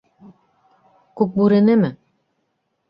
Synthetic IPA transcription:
kuk̚buɾɘ̆nɘmɘ

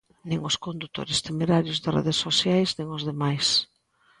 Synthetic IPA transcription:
nĩŋʊskond̪ut̪o̰ɾɪst̪emeɾaɾjʊzðɪrʔḛðɪsːosjajznĩŋʊzðemajs

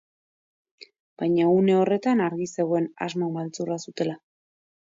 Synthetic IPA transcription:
b̥ajɲaune̞o̞re̞t̪anaɾɣise̞ɣo̞ena̰zmomalt͡surasut̪e̞la

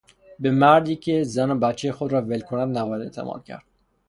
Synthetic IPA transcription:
bemæɾd̪iːkʲʰe̞zænobæt̪t͡ʃʰːejexod̪ɾɒːvelkʰonæd̪næbɒjæd̪et̪ʰæ̰mʔɒ̰ːd̪̥̚cʲʰæ̰ɾd̪̥

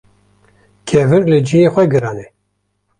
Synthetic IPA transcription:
kʰɛvɨɾlɨd͡ʒijeːxʷɛɡɨɾɑːnɛ

